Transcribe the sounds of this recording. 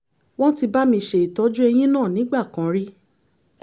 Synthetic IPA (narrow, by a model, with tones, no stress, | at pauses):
w̃ɔ̃˦ti˧ba˦mĩ˧˨ʃe˨i˨tɔ˨˦d͡ʒu˦ɛ˧j̃ĩ˦nãː˦˨nĩ˨˦ɡ͡ba˦˨kã˨˦ɾi˦